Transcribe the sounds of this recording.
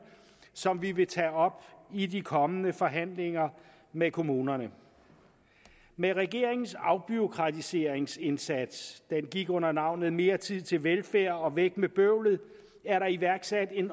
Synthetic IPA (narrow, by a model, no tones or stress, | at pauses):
sɒ̽mʋiʋe̝t͡sʰɛːɒ̽b̥idikʰɒ̽mənəfɒ̽ɦæn̰le̝ŋɐ | mekʰo̝muːnɐnə | meʁɛɡ̥e̝̰ɐ̰e̝ŋn̩sɑ̈ʊb̥yo̝kʰʁɑ̈t͡sʰise̝ːɐ̰eŋse̝nsæd̥sd̥enɡ̥iɡ̥ɔ̽n̰ɐnɑ̈ʊ̰nð̩ˠme̝ːɐt͡sʰið̞̰ˠt͡sʰe̝lʋelfæːɐ̰ɒ̽ʋeɡ̥̚meb̥øʊ̰lð̩ˠ | æɐɾɑ̈iʋæɐɡ̥sæd̥e̝n